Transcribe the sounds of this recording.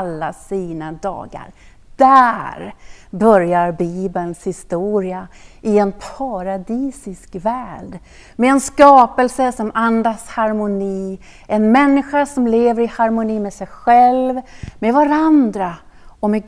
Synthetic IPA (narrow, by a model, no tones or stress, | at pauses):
lːasiːnad̪ɑ̰ːɡa̰ɾ | d̪̥æɾbœɾjaɾbiːbənshɪst̪uːɾɪaɪɛnpʰaɾad̪iːsɪskvæːɖ | mɛɛnskɑːpəlsəsɔmand̪ashaɾmʊniː | ʔɛnmɛnːɪɧaʂɔmleːvəɾɪhaɾmʊniːmɛsɛjɧɛlvmɛvaɾand̪ɾaɔmɛ